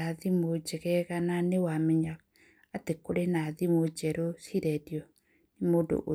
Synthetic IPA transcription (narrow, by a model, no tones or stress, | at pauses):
aðimod͡ʒɛɣɛɣananewamɛɲa | atekoɾenaðimod͡ʒɛɾosiɾɛdjɔ | nemoːndo̰ʔo